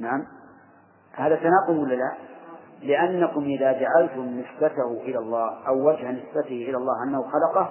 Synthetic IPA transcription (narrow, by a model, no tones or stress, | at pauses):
naʕam | haːðasanɑqʊlwɪlːala | lɪʔanːakʊmʔɪðaːd͡ʒaʕalt̪ʊmnɪsbat̪ahʊʔɪlalˤːɑːhʔawːad͡ʒhanɪsbat̪ɪhʔɪlalˤːɑːhʔanːahʊxɑlɑqɑ